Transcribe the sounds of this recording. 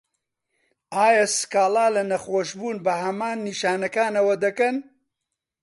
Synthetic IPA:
aːjɐsɨ̥kaːlaːlɐnɐxoːʃbuːnbɐhɐmaːnːiʃaːnɐkaːnɐwɐd̪ɐkɐn

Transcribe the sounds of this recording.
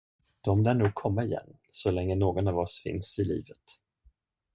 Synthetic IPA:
d̪̥ɔmd̪æːɳuːɡ̚kʰɔmːaɪjɛ̰nː | sɔlɛŋːənoːɡɔnɑvɔsfɪ̰nsɪlḭːvət̪

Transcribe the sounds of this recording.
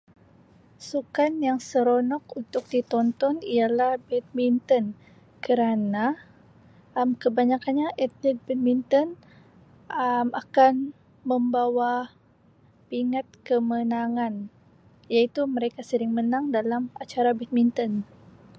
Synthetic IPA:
sukanjaŋsəɾonɔkunt̪ʊk̚dit̪ɔnt̪ɔnialahbɛt̪̚mint̪ən | kəɾana | mkəbaɲakanɲaʔɛt̪̚lit̪̚bɛt̪̚mint̪ɔn | ʔəmakan | məmbawa | piŋat̪̚kəmənaŋan | jait̪uməɾekasəɾɪŋmənaŋdalamat͡ʃaɾabɛt̪̚mint̪ɔn

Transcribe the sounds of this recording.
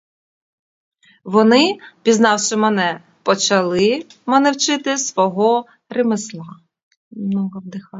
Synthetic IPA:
ʋɔnɪpʲiznɑwʃɪmɛnɛ | pɔt͡ʃɐlˠɪmɐnɛwt͡ʃɪt̪ɪsʋɔɦɔ | remɪslˠɑ | mnɔɦɔwd̪ɪxɑ

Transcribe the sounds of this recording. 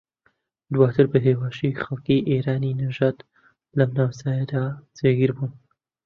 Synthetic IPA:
d̪waːt̪ʰɨɾbɨɦeːwaːʃixɐlˠkiʔeːɾaːninɐʒaːd̪ | lɐmnaːwsaːjɛd̪aːzeːɡiɾbuːn

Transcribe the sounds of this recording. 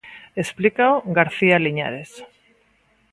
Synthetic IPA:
esplikaoɣaɾθialiɲa̰ɾes

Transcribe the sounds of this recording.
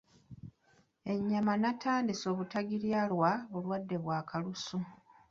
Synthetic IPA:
e̞ɲːamanatʰaːndiso̞ːβutaɡiljalwaulwadːe̞βwaːkalusu

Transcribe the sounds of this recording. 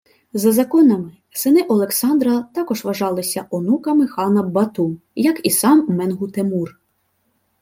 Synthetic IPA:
zɐzɐkɔnɐmɪ | sɪnɪʔɔlˠeksɑnd̪ɾɐt̪ɑkɔʒʋɐʒɑlˠɪsʲɐʔɔnukɐmɪxɑnɐbɐt̪u | jɐkisɑmːɛnɦut̪emur

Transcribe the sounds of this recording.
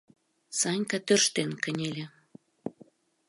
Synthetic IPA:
sɑnʲkɑt̪ørʃt̪enkə̆nʲelʲe

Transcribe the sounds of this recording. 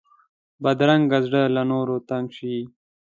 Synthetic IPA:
bɐd̪ɾɐŋɡɡɐzɖəlanoːɾot̪aŋɕi

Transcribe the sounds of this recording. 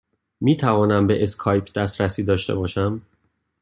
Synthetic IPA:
miːt̪ʰævɒːnæmbe̞ʔeskʰɒːjpʰd̪æst̪ɾæsiːd̪ɒːʃt̪e̞̰bɒːʃæm

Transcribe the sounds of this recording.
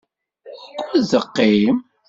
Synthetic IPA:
kʷːʊɾzəqːim

